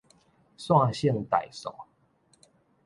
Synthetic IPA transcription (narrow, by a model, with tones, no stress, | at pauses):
swa˥˧˨ɕjɛ˥˨nt̪a˨˩˦jsɔ̰˨˩˦